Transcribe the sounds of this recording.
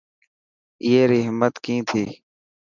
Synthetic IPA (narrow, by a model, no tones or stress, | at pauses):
ɪeːɾiːɦɪmːət̪kĩːt̪ʰiː